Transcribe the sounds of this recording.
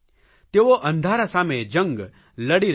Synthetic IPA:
t̪eʋoʔɐ̃nd̪ʱaːɾasaːmed͡ʒə̃ŋɡ | ləɽiɾ

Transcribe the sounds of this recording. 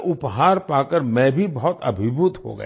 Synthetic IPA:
ʔʊpɦaːɾpaːkəɾmɛ̃bʱibɔɦɔt̪ɐ̰bʱɪbʱʊt̪ɦo̰ɡə̰

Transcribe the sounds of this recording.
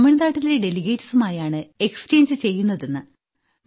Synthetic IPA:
miɳɐðaːʈːileɖe̞liɡe̞jʈːɐsumaːjaːɳɨe̞ksɨ̥t͡ɕe̞ːnd͡ʑɨt͡ɕe̞jːunːɐðenːɨ

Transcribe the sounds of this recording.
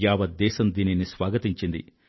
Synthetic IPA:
aːʋɐd̪ːɛːʃɐmd̪iːninisʋaːɡɐt̪iɲt͡ʃind̪ḭ

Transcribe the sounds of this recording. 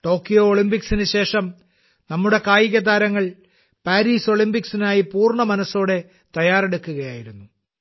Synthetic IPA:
ʈo̞ːkːijo̞ːɭimbiksinɨɕe̞ːʂɐm | nɐmːuɽe̞kaːjiɣʲɐd̪aːɾɐŋːɐɭ | paːɾiːso̞ɭimbiksinaːjipuːrɳɐmɐnɐsːo̞ːɽe̞ | t̪ɐjaːreɽukːuɣɐjaːjiɾunːu

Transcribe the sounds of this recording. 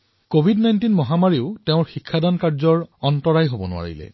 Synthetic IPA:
kobʱidnajntinmɔɦamaɹiʊteʊ̃ɹxikʰːadankaɹzɔɹɔntɔɹajɦobɔnʊ̰a̰ɹḭlɛ̰

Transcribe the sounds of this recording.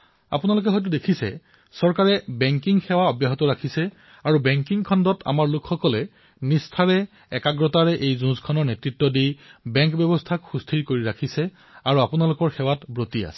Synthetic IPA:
a̰punalʊk̬ɛɦɔjt̬udekʰisɛ̰ | sɔɹkaɹɛbɛŋkiŋxɛwaɔbjaɦɔtɔɹakʰisɛ | aɹubɛŋkiŋkʰɔndɔtʰa̰maɹlʊkʰxɔkɔlɛ | nistʰaɹɛ | ɛkaɡɹɔtaɹɛʔejzũzkʰɔnɔɹnetɹitːɔdijbɛŋkbjɔbɔstʰakxustʰiɹkoɹiɹakʰisɛ | aɹuapunalʊkɔɹxɛwatbɹotia̰sɛ̥

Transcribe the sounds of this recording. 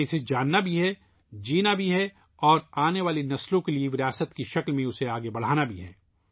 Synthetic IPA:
esed͡ʒaːnːabʱiɦɛ | d͡ʒiːnabʱiɦɛ | ɔːɾaːneʋaːlinɐslõkelieʋɪɾiaːsət̪kiʃɐklmẽʊseaːɡebɐɽ̤aːnabʱiɦɛ̰ː

